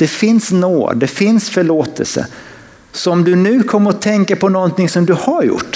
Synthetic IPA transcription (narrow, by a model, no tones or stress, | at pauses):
d̪̥ɛfɪnsno̰ːd̪d̪ɛfɪnsfœɭoːt̪ɛ̰lsə̰ | sɔmd̪ɵnʉ̟ːkʰɔmːəɾɔt̪ʰɛŋkapʰɔnɔnt̪ɪŋsɔmd̪ɵhaɾjʊ̰ʈː